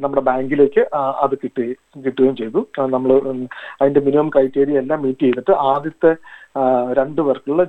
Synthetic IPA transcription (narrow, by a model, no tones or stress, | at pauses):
nɐmːuɽe̞baːŋɡile̞ːkʲːɨɐ̰ðɨkiʈː | kiʈːuɣeːjmt͡ɕe̞jt̪unɐmːɐɭɨɐðinde̞minimɐmkrɐjʈːeːɾijɐelːaːmːiːtːiejt̪ːiʈːɨʔaːd̪jɐt̪ːe | ɾe̞ɳɖɨʋɐrkːɐɭuɭːɐ